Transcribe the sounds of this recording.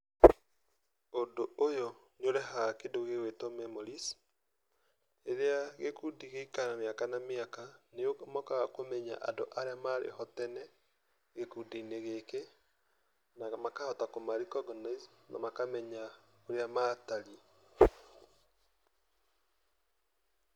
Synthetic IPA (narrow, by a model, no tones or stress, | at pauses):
ondoʔojɔ | ɲoɾɛɦakedoɣewetɔmɛmoɾis | eɾeaɣekudiɣeikanameakanameakaneomɔkakomɛɲa̰ʔa̰ndoʔaɾeamaɾḛhɔtɛnɛ | ɣekudiineɣeke | namakahɔtakomaɾikɔɡɔnaizna̰makamɛɲa | oɾeamataɾi